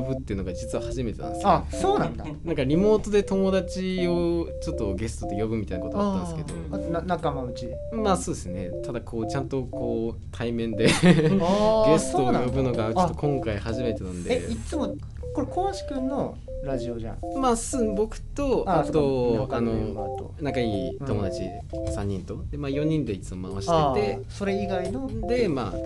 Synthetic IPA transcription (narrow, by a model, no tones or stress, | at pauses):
obɯ̟t̪ːeiɯ̟no̞ɡad͡ʑit͡sɨβahaʑimet̪e̞nã̰nesksoːnãnd̪a | nãŋkaɾʲimo̞ːt̪o̞d̪e̞t̪o̞mo̞d̪at͡ɕio̞t͡ɕo̞t̪ːo̞ɡe̞sɨ̥t̪ot̪ːejo̞bɯ̟mit̪aijnakot̪oat̪ːãnsɨked̪omonanakamaɯ̟t͡ɕid̪emaːso̞ːd̪e̞sɨne̞t̪ad̪akʰo̞ːt͡ɕãnt̪o̞kʰo̞ː | t̪ʰaimẽ̞nd̪e̞ | ɡe̞sɨ̥t̪ojobɯ̟no̞ɡat͡ɕot̪ːokõ̞ŋkaihaʑime̞t̪e̞nãnd̪eit͡sɨmo | ko̞ɾekoaɕi̥kɯ̟̃nːo̞ | ɾaʑio̞ʑã̰maːsɨbo̞kɯ̟̥t̪o̞at̪o̞ano̞a̰t̪o̰nãŋkaiːo̞mo̞d̪at͡ɕḭ | sãɲ̟ːĩnt̪o̞d̪e̞maːjo̞ɲ̟ĩnd̪e̞it͡sɨmo̞ma̰βaɕiet̪e̞so̞ɾe̞iɡainod̪e̞ma̰ː